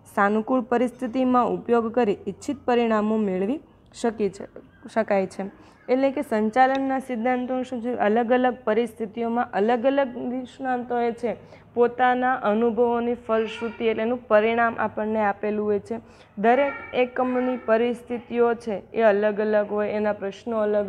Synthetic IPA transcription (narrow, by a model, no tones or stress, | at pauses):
sanukuɭpəɾist̪ʰit̪imãupjoɡkəɾiːtːʃʰit̪̚pəɾiɽ̃amomeɭʋi | ʃəki | ʃəkajt͡ʃʰe | eʈlekesə̃ɲt͡ʃalənːasid̪ʱːãnt̪oñʃũt͡ʃʰeələɡələɡ̚pəɾist̪ʰit̪ijomãʔələɡələɡ̚d̪iʃnãnt̪oet͡ʃʰe | pot̪anaʔənubʱəʋonifəlʃɾut̪ieʈleːnũpəɾiɽ̃amʔa̰pəɳneapelũɦojt͡ʃʰe | d̪əɾekekːəmnipəɾist̪ʰit̪iot͡ʃʰeeələɡələɡɦojenapɾəʃnoələɡ